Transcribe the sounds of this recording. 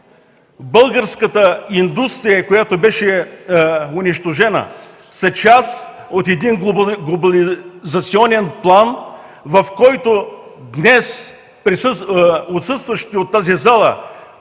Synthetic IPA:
bɤlˠɡəɾskət̪əind̪ust̪ɾijəkojat̪obɛʃɛ | ʊniʃt̪oʒɛnə̰ | sɐt͡ʃas | ot̪ɛd̪inɡlˠobɐlizɐt̪siɔnɛnplˠan | vɐfkɔjt̪od̪nɛs | pɾi | ot̪sɤst̪vəʃt̪iot̪ːazizalˠə̰

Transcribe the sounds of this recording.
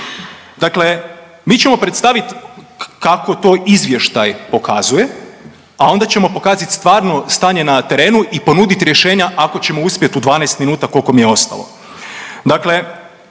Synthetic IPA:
d̪akle̞ | miːt͡ɕe̞mo̞pɾet̪st̪aʋit̪kako̞t̪o̞ːʔizʋje̞ʃt̪ajpo̞kʰa̰zuje̞ | ao̞nd̪at͡ɕe̞mo̞po̞kaːzat̪st̪ʋaːɾno̞st̪aːɲe̞nat̪e̞ɾe̞ːnuʔipo̞nud̪it̪ɾje̞ʃe̞ːɲaʔako̞t͡ɕe̞mo̞uspje̞t̪ud̪ʋaːnajst̪minuːt̪ako̞lko̞mijeo̞st̪a̰lˠo̞̰ | d̪akle̞

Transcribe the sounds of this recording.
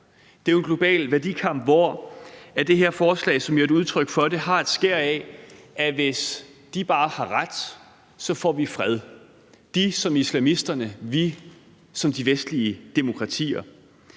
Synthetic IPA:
d̥e̝ʊenɡ̥lo̝b̥ɛ̰ːlʋæɐd̥ikʰɑ̈m̰b̥ʋɒ̰ | æd̥e̝ɦe̝ɐ̰fɒːslɛ̰ːsɒ̽mjeɾuð̞ˠt͡sʰʁœɡ̥fɒ̽ɾe̝hɑ̈e̝d̥sɡ̥eɐ̰ɛʔæʋe̝sd̥ib̥ɑ̈ːhɑ̈ʁad̥ | sɒ̽fɒ̰ːʋifʁɛð̞ˠ | d̥isɒ̽mislæmisd̥ɐnəʋi | sɒ̽md̥iʋesd̥liəd̥e̝mo̝kʰʁɑ̈t͡sʰḭːɐ

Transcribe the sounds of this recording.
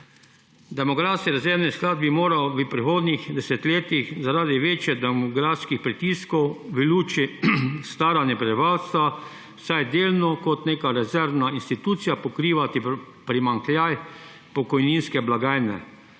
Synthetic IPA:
d̪ɛmɔɡɾaːskiɾɛzɛɾʋnisklaːd̪̚bimoːɾawʋəpɾixoːd̪nixd̪ɛsɛt̪leːt̪ixzaɾaːd̪iʋeːt͡ʃjɛd̪ɛmɔɡɾaːfskixpɾit̪iːskɔwʋəluːt͡ʃist̪aːɾanɛpɾɛbiʋalst̪ʋa | wsajd̪eːlnɔkɔt̪neːkaɾɛzɛɾʋnainst̪it̪uːt̪sijapɔkɾiːʋat̪i | pɾimaŋklʲjaj | pɔkɔjniːnskɛblaɡaːjnɛ̰

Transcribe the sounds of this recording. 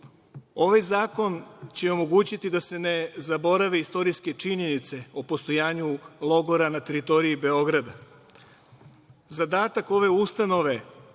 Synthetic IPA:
o̞ʋajzaːko̞nt͡ɕeo̞mo̞ɡuːt͡ɕit̪id̪ase̞ne̞zabo̞ɾaʋeist̪o̞ɾiske̞t͡ʃiɲe̞nit̪seopo̞st̪o̞jaːɲulˠo̞ɡo̞ɾanat̪e̞ɾit̪o̞ɾiibe̞o̞ɡɾad̪a | zad̪aːt̪ako̞ʋe̞ust̪ano̞ʋe̞

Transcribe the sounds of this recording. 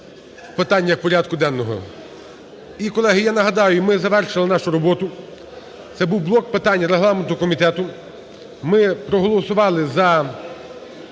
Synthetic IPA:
pɪt̪ɑnʲːɐwpɔɾʲɑd̪̚kʊd̪ɛnːɔɦɔ̰ | ikɔlˠɛɦɪjanɐɦɐd̪ɑjʊmɪzɐʋɛrʃɪlˠɪnɑʃʊɾɔbɔt̪ʊ | t̪sɛbuwblˠɔk̚pɪt̪ɑnʲːɐɾeɦlˠɑment̪ɔɔkɔmʲit̪ɛt̪ʊ | mɪpɾɔɦɔlˠɔsʊʋɑlˠɪzɐ

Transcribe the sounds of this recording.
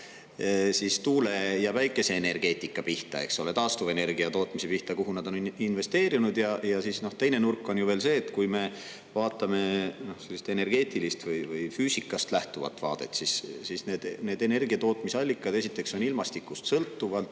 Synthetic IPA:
sist̪uːle̞jɑvæjkːˑe̞se̞ːne̞rɡ̥e̞ːt̪ʲˑikːˑɑpiht̪ɑ̰e̞̰kso̞le̞t̪ɑːst̪uve̞ne̞rɡiɑt̪o̞ːt̪ˑmise̞piht̪ɑkuɦunɑd̪̥o̞ninve̞st̪e̞ːɾinud̪̥jɑjɑsisno̞ht̪e̞jne̞nurkːˑo̞njuve̞ːlse̞ːt̪kujme̞ | vɑːt̪ːˑɑme̞no̞hse̞lːise̥t̪ene̞rɡ̥e̞ːt̪ˑilist̪vɯjvɯjfyːsikːˑɑst̪læht̪uvɑ̰t̪ːˑvɑ̰ːd̪̥e̞̰t̪sissisne̞ːd̪̥ne̞ːd̪e̞ne̞rɡ̥iɑt̪o̞ːt̪misɑlʲːikːˑɑd̪e̞sit̪ːˑe̞kso̞nilmɑst̪ikːˑust̪sɤlt̪ːuvɑlt̪

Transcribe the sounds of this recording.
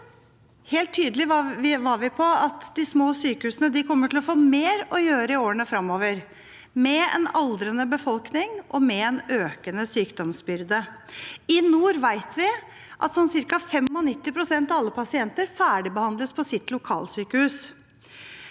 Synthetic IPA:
heːlt̪ʰːyːd̪əlɪʋɑɾʋɪpʰɔɑt̪d̪ɪsmoːsyːkəhʉːsənəd̪ɪkʰɔmːəʈʰɪlɔfoːmeːɾɔjøːɾəɪoːəɳəfɾɑmːoːʋəɾ | mɛɛ̰nɑld̪ɾənəbəfɔlknɪŋʔɔmɛɛnøːkənəsyːkd̪ɔmsbʏɾd̪ə | ɪnuːɾʋæɪt̪ʰʋɪ | ʔɑ̰t̪sɔnsɪɾkɑfɛmɔnɪt̪ːɪpʰɾʊsɛnt̪ɑɑlːəpʰɑsɪɛnt̪əɾfæːɖɪbəhɑnd̪ləspʰɔsɪt̪lʊkʰɑ̰ːlsyːkəhʉːs

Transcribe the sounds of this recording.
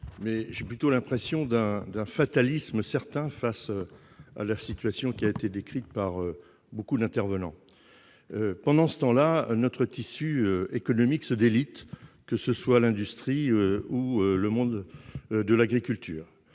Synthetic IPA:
mɛʒeplyt̪olɛ̃pχesjɔ̃d̪ɛ̃d̪ɛ̃fat̪alisməsɛʁt̪ɛ̃fas | a̰lasit̪ɥasjɔ̃kʲiaet̪ed̪ekχit̪̚paʁø | bokud̪ɛ̃t̪ɛʁvənɑ̃ | øpɑ̃d̪ɑ̃sə̥t̪ɑ̃lanɔt̪χət̪isyøekɔnɔmiksəd̪elit̪ | kəsəswalɛ̃d̪yst̪χiøuøləmɔ̃d̪d̪əlaɡʁikʲylt̪ʰy̰ːʁ

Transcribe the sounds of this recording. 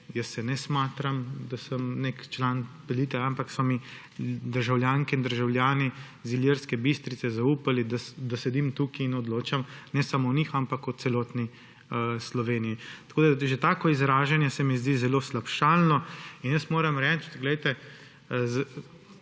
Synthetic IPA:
jəsːɛnɛsmat̪ɾamd̪asəmnekt͡ʃlaːnpɛliːt̪ɛampaksɔmi | d̪əɾʒawljaːŋkɛind̪əɾʒawlʲjaːni | ziljiɾskɛbist̪ɾit̪sɛzauːpalid̪asd̪asɛd̪imt̪uːkiːnɔd̪loːt͡ʃamnɛsamownixampakut̪sɛlɔːt̪ni | əslɔʋeːnijit̪akoːd̪aʒet̪aːkɔizɾaːʒanjɛsɛmizd̪iːzɛloːslapʃaːlnɔinjəsmoːɾamɾɛt͡ʃt̪ɡlɛjt̪ɛ | z

